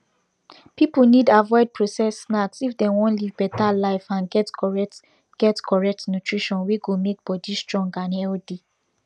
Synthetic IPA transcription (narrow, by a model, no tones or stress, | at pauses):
pipunidavɔɪd̚pʰɹosɛsːnaksifdɛ̃wɔ̃nlivbɛtalaɪfãnɡɛtt | ɡ̥ɛtkʰɔɹɛk̚tnutʰɹiʃɔ̃nweɡomek̚b̥ɔdistɹɔ̃ŋɡãnɛlde